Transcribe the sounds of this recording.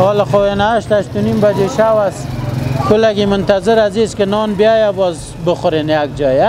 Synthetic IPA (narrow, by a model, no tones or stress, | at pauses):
hɔlɪxoenaʃt̪aʃt̪unimbad͡ʒeʃawaskʊlaɡimʊnt̪azɪɾaziskenɔnbijajabɔz | bəxʊɾenjaɡ̚d͡ʒɔja